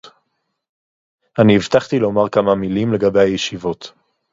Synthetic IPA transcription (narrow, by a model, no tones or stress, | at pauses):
aniːvt̪aχt̪ilo̞maʁkamamilimle̞ɡabe̞jhajeʃivo̞t̪